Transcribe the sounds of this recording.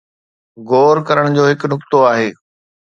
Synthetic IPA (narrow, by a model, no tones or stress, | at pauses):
ɡoːɾkɐɾəɽ̃d͡ʑoːɦɪknʊkt̪oaːɦeː